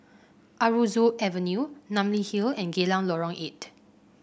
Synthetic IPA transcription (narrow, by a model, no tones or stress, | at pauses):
ʔaɹuzuʔɛvənjunãmlihilɛ̃nɡelãŋlɔɹɔ̃ŋʔet